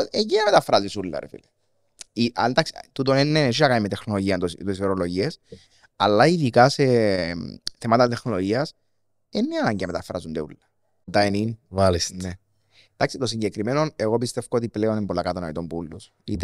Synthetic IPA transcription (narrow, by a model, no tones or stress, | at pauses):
ejiɐmet̪ɐfɾɐzisulːɐ̰ɾḛfḭle | iʔand̪aksit̪ut̪onenːees̬inɐkanimet̪exno̞lo̞ʝiɐnt̪ost̪osveɾolo̞ʝies | ɐlːɐiðikɐse | θemɐt̪ɐt̪exnolo̞ʝiɐs | enːiɐnɐɲɟɐmet̪ɐfɾɐ̰zund̪eṵlːɐ | t̪ɐeninvalisne | d̪aksit̪os̬iɲɟekɾimeno̞neɣopist̪e̞fkoot̪ipleo̞nembolːɐkɐt̪ɐnɐit̪ombulːus | it̪e